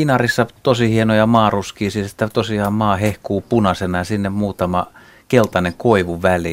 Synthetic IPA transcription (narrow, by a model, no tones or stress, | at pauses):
inɑrisːɑt̪osihienojɑmɑːruskiːsist̪ːæt̪osiɑːmmɑːhehkuːpunɑsenɑjɑsinːemmuːt̪ɑmɑ | kelt̪ɑneŋkoiʋuʋæli